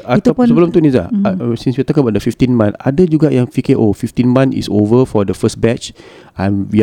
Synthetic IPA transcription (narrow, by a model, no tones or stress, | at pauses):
at̪ɔsɔblə̃mt̪unisa̰sĩnswiat̪ɔkãnbaʔdəfift̪ĩnmãnadəd͡ʒuɡaʔjãŋfikeʔofift̪ĩnmãnḭsovəfɔdəfəsbɛt͡ʃ | ãnwi